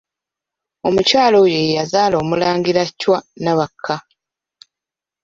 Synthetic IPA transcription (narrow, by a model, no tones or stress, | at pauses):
o̞mucaːlo̞jejazaːlo̞ːmulaːŋɡiɾacːwanaβakʰːa